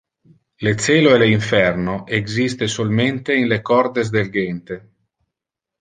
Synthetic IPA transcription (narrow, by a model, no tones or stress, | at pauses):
let̪seːloeleiɱfɛrnoʔeɡzist̪esolment̪einlekɔrd̪ezd̪elɡent̪e